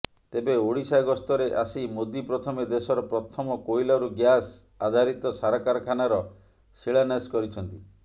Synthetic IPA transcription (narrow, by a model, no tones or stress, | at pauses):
t̪ebeoɽisaɡɔst̪ɔɾeʔasimod̪ipɾɔt̪ʰɔmed̪esɔɾɔpɾɔt̪ʰɔmɔkojlɔɾuɡjas | ad̪ʱaɾit̪ɔsaɾɔkaɾɔkʰanaɾɔ | siɭaneskɔɾit͡ʃʰɔnt̪i